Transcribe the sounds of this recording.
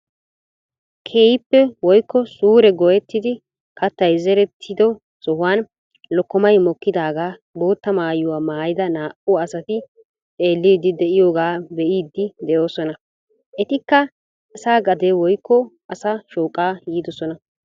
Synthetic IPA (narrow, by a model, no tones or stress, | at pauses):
kʰeːjɪpːɛwɔjkːɔsuːɾɛɡɔjɛt̪ːɪd̪ɪ | kɐt̪ːɐjzɛɾɛt̪ʰːɪd̪ɔ | sɔhʊwaːn | lɔkːɔmɐjmɔkːɪd̪aːɡaː | bo̞ːt̪ːɐmaːjʊwaːmaːjɪd̪ɐnaːʔʊɐsɐt̪ɪ | t̪ʼe̞ːlːiːd̪ːɪd̪ɛʔɪjo̞ːɡaːbɛʔiːd̪ːɪd̪ɛʔo̞ːsɔnɐ | ʔɛt̪ɪkːɐ | ɐsaːɡɐd̪ewɔjkːɔʔɐsɐʃoːkʼːaːjiːd̪ɔsɔnɐ